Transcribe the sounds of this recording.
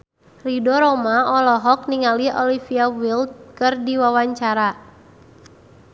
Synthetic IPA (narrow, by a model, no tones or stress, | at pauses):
ridɔɾɔmaɔlɔɦɔk̚niŋaliɔlifiawild̪̚kɨrdiwawaɲt͡ʃaɾa